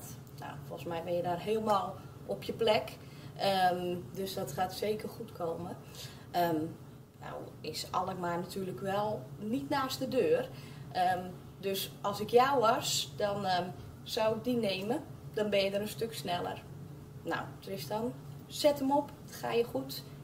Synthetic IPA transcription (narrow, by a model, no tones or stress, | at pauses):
na̰wfɔlˠsmɛjbɪnjədaːrɦeːlˠmaːlˠ | ʔɔpʰjəplɛk | əmdøsdɔtxaːtseːkərxutkʰoːmə | əm | na̰w | ɪsɔlˠəkmarnatʰyːrləkʋɛlˠnitnaːstdədøːr | ʔə | døsɔlˠsɪkjawʋɔsdɔn | sawɪk̚dineːməd̥ɔnbɪnjədəɾənstøksnɛlˠə̰r | na̰wd̥ərɪsdɔn | sɛtəmɔp | xa̰ːjəxut